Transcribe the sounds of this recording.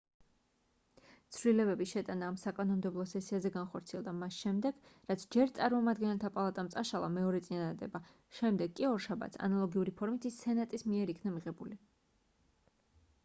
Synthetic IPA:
t̪sʰvlilɛbɛbiʃɛt̪ʼanaːmsakʼanɔmd̪ɛblˠɔsɛsiazɛɡanχɔɾt̪sʰiɛlˠd̪amasʃɛmd̪ɛɡ̥ɾat̪sʰd͡ʒɛɾt̪sʼaɾmɔmad̪ɡɛnɛlˠt̪ʰapʼalˠat̪ʼamt̪sʼaʃalˠa̰mɛɔɾɛt̪sʼinad̪ad̪ɛ̰ba | ʃɛmd̪ɛɡkʼːiɔɾʃaba̰t̪sʰa̰nalˠɔɡiuɾipʰɔɾmit̪ʰisɛnat̪ʼismiɛɾikʰnamiʁɛbuli

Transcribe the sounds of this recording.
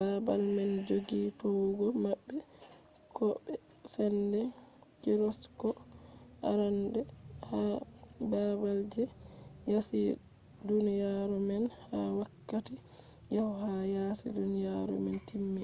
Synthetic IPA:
babalmɛnd͡ʒoɡitɔwɡɔmabːɛ | kɔbɛ | sɛndɛ | kiɾɔskɔ | ʔa̰ɾandɛ | ha | babald͡ʒɛ | jasi | dunijaɾɔmɛnhawakːati | jahhajasḭdunijaɾɔ̰mɛntimːi

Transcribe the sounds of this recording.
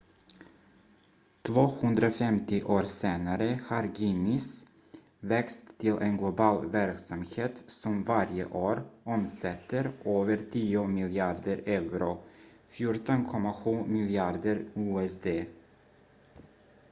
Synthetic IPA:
t̪ʰvoːhɵnd̪ɾafɛmt̪ɪʔoːɾseːnaɾəhaɾɡinɪs | vɛkst̪ʰːɪlʔenɡlʊbɑːlvæɾksamheːt̪sɔmvaɾjə̰ʔoːɾɔmsɛt̪ʰːəɾʔøːvəɾtʰiːʊmɪljɪɑːɖ̪əɾɛvɾʊ | fjʊʈɔnkʰɔmːaɧʉ̟ːmɪlɪɑːd̪əɾuːɛsd̪eː

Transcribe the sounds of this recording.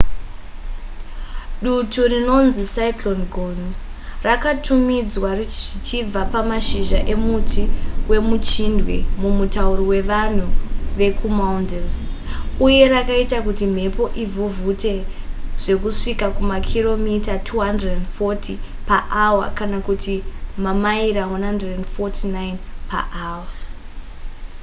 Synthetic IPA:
ɗuturino̞nzisaiklonɡʱonurakatʰumid͡zwarʐit͡ʃib͡vapamaʃiʒaʔe̞mutiwe̞mut͡ʃindwḛmumutauɾiwe̞ʋan̤uʋe̞kumaundels | uje̞ɾakaitakutim̤e̞po̞ʔivuvute̞ | ʐ̥e̞kuʂikakumakʰiro̞mitatʰuɦandredendfo̞tʰi | paʔawa̰kanakutʰimamaiɾaɦanɦandredendfotʰinainpa̰ʔaːwa

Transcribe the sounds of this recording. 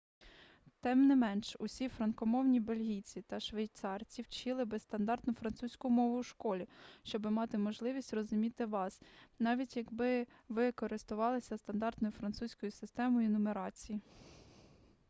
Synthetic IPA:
t̪ɛmnɪmɛnʃʊsʲifɾɐnkɔmɔwnʲibelʲɦʲijt͡sʲit̪ɐʃʋejt̪sɑrt͡sʲiwt͡ʃɪlˠɪbɪst̪ɐnd̪ɑrt̪nʊfɾɐnt̪susʲkʊmɔʋʊwʃkɔlʲiʃt͡ʃɔbɪmɑt̪ɪmɔʒlˠɪʋʲisʲtʲrɔzʊmʲit̪ɪʋɑsnɑʋʲitʲjɐɡbɪʋɪkɔɾɪst̪ʊʋɑlˠɪsʲɐst̪ɐnd̪ɑrt̪nɔjʊfɾɐnt̪susʲkɔjʊsɪst̪ɛmɔjinʊmeɾɑt͡sʲiji

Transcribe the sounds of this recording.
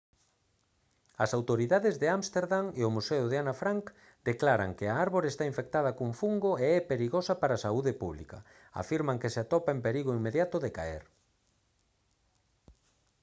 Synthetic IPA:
ɐsawt̪oɾiðaðezðeamst̪eɾðaŋeʊmusɛʊðeanafɾaŋk | d̪̥eklaɾa̰ŋkeaaɾβoɾest̪aiɱfek̚t̪að̞ɐkuɱfuŋɡoeɛpeɾiɣosapaɾasauðepuβlḭkɐ̰ | a̰fiɾmaŋkeseat̪ɔpaempeɾiɣ̞oimeðjat̪ʊðeka̰ḛɾ

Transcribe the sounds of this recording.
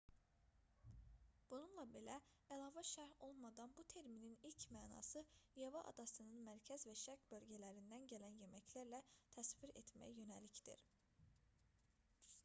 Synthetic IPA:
b̥ununlˠɑbe̞læælˠɑːvæʃæɾho̞lˠmɑd̪ɑnbut̪ʰeɾmininilcmæːnɑ̰ːsɯjɑvɑʔɑ̰d̪ɑsɯnɯnmæɾcʰæzvæʃæɾcbø̞lɟælæɾind̪ænɟælænjemæcʰlæɾlæt̪ʰæsviɾet̪mæ̰jæjø̞nælicd̪ḭɾ

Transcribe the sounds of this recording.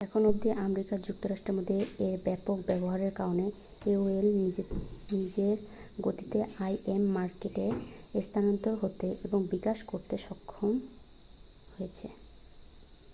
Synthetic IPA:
ɛkʰonob̚d̪iʔamɾikaɾd͡ʑuk̚t̪oɾaʃʈɾeɾmod̪ʱːeeɾbɛpok̚bɛboɦaɾeɾkaɾone | eoel | nid͡ʑeɾɡot̪i̥t̪eajʔemːaɾkeʈest̪ʰanont̪oɾɦot̪eʔeboŋbikaʃkoɾt̪eʃɔkʰːom | hojet͡ɕʰḛ

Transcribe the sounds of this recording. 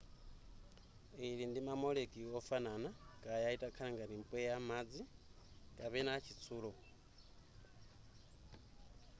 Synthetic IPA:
iɺindimamɔlekʼiɔfananakʼajaitʼakʰalaŋɡaɾimpʼwɛjamad͡zikʼapɛnaːt͡ʃʰit͡sʰuːlɔ

